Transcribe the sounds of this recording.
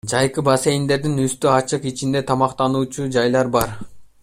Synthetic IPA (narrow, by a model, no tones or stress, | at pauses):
d͡ʒɑjqɯbase̞jind̪e̞ɾd̪inyst̪øɑt͡ʃɯqit͡ʃind̪e̞t̪ʰɑmɑqt̪ɑnuːt͡ʃud͡ʒɑjlˠɑɾbɑɾ